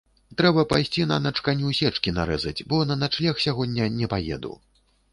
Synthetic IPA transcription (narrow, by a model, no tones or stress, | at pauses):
t̪ɾɛbɐpajsʲt͡sʲinɐnɐt͡ʂkanʲusʲɛt͡ʂkʲina̰ɾɛzɐd͡zʲbɔnɐnat͡ʂlʲaxsʲaɣɔd̪ʲːɐnʲɛpajɛ̰d̪ṵw